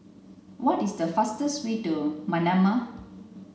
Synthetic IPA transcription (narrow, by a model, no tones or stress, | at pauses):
wɔtisdəfastəswidumanãma